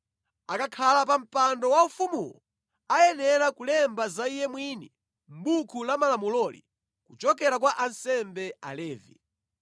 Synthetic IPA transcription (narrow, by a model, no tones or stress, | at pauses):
akakʰalapam̩pandɔwaufumṵlɔ | ajɛnɛɾakulɛmbazaijɛmwiːni | m̩bukʰulamalamulɔlḭ | kut͡ʃɔkɛɾakwaʔansɛmbɛa̰lɛːvḭ